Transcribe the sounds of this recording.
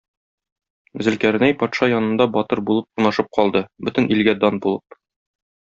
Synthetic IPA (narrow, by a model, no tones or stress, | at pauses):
zɘ̆lkæɾ̆næjpɒt̪ʃɑjɒnɤ̆nd̪ɑbɒt̪ɤɾbulˠɤp̚unɑʃɤp̚qʰɒlˠd̪ɤbɵt̪ɘ̆nilɡæd̪ɒnbulˠɤp̚